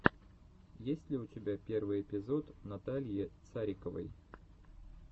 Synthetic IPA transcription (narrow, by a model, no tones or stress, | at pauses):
jesʲtʲlʲɪʊtʲɪbʲapʲe̞rvɨjɪpʲɪzot̪nɐt̪alʲjɪt̪saɾʲɪkəvə̰j